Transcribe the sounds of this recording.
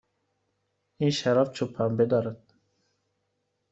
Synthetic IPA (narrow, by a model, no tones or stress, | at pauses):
inʃaɾaft͡ʃʰupʰːambed̪ɒːɾad̪̥̚